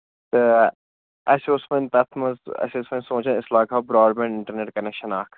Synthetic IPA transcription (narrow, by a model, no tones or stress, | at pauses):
t̪ə | ɐsoːsmẽnt̪ɐt̪ʰmɐzɐ̰sɪsmẽnsõːt͡ʃɐ̃ɪslaːkaːbɾaːɾmẽɳɖɪɳʈɐɾneːʈ̚kɐnekʃɐnaːkʰ